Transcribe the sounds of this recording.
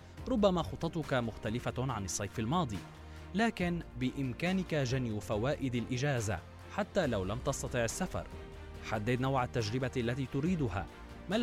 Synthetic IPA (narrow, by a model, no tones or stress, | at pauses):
ɾˤʊbːamaːxʊt̪ˤːɑt̪ˤʊkamʊxt̪alɪfaʕanɨsˤːɑjfalmɑːd̪ˤiː | laːkɪnbɪʔɪmkaːnɪkaʒanjʊfawaːʔɪd̪alʔɪd͡ʒaːza̰ | ħat̪ːaːlawlamt̪ɑsˤt̪ɑt̪ˤiːʕasːafɑ̰ɾˤ | ħad̪ːɪd̪nawʕat̪ːad͡ʒɾɪbaʔalːat̪iːt̪ʊɾiːd̪ʊha̰ː | ma